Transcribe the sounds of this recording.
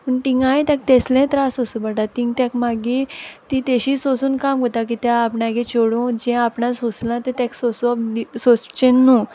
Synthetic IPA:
pəɳʈĩŋɡajt̪ãk̚t̪ɛslɛ̃t̪ɾasosubaʈat̪ĩŋɡt̪jãkmaɡit̪it̪eɕiːsosuːnkamkot̪akit̪jaːpɳakẽt͡ɕoɽũd͡ʑɛ̃apɳasoslãt̪ɛ̃t̪jaksosd̪isost͡ɕenːu

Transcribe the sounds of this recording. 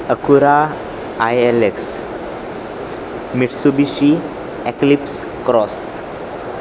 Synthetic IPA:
əkuɾa | ajeleks | miʈʰsubiɕi | eklips | kɾɔs

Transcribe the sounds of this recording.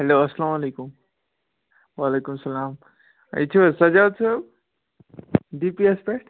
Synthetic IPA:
ɦeloɐslaːmɐlekum | waːlekumsɐlaːm | ə̰jt͡ʃʰusɐd͡ʒaw̪sʰʌb | ɖipiespeʈ

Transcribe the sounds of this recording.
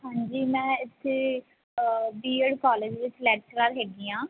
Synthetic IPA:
ɦãːɲd͡ʒiːmɛ̃ːɪt̪ʰːeː | biːəɖkɔːleːd͡ʒʋɪt͡ʃlɛːk̚ʈɾaːɾɦɛːɡiːãː

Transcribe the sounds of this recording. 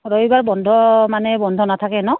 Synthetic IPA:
ɹojbaɹbɔndʱɔmanɛbɔndʱɔnatʰakɛnɔ

